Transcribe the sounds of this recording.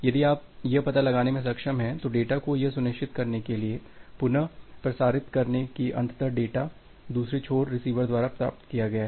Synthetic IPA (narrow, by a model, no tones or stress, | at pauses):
jɐd̪iaːp̚jɐpɐt̪alɐɡaːnemẽs̬ɐkʃəmɦɛ̃t̪oɖeːʈakojɐsʊnɪʃt͡ʃɪt̪kɐɾnekeliepʊnəpɾɐsaːɾɪt̪kɐɾnekiʔɐ̰̃nt̪ʰt̪əɾɖeːʈa | d̪uːsɾet͡ʃʰoːɽɾɪsiːʋəɾd̪waːɾapɾa̰ːp̚t̪kijaɡɐjaɦɛ